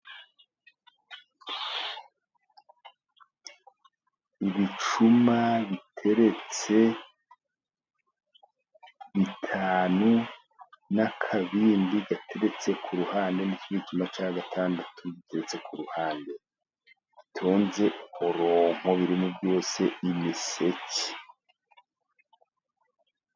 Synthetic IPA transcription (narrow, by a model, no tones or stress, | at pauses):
iβit͡ʃumaβitʰe̞ɾe̞t͡se̞ | βitʰaːnu | nakʰaβiːndiɡatʰe̞ɾe̞t͡se̞kʰuɾuhaːnde̞niciβit͡ʃumat͡ʃaːɡatʰaːndatʰuβite̞ɾe̞t͡se̞kuɾuhaːnde̞ | βitʰo̞ːnze̞hoɾo̞m̥ho̞βiɾimubjo̞ːse̞imise̞ci̥